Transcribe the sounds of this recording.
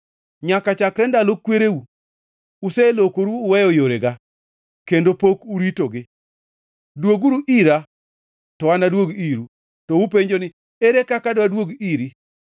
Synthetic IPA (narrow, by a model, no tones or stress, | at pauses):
ɲakat͡ʃakɾɛndalokweɾeu | uselokoɾuːwɛjɔjoɾeɡa | kendopokuɾitoɡɪ | dwoɡuɾuʔiɾa | tɔanadwoɡiɾu | tɔupeɲd͡ʒonɪ | eɾekakadwadwoɡiɾi